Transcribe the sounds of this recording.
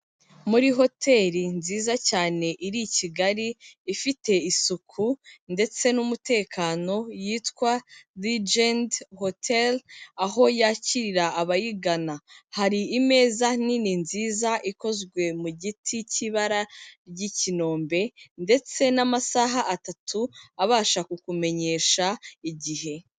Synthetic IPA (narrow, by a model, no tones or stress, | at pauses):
muɾiɦo̞tʰe̞ːɾinziːzacaːne̞ʔiɾiciɡaɾiːfite̞isukʰunde̞t͡se̞numute̞ːkʰaːno̞jitkwalid͡ʒendhotʰelaɦo̞jaːciɾiɾaːβajiɡanahaɾiːme̞ːzanininziːzaʔiko̞zɡwe̞muɟitʰiciβaɾaɾɟicino̞ːmbe̞nde̞t͡se̞namasaɦaʔatatʰuaβaːʃakukume̞ɲe̞ːʃaiɟiɦe̞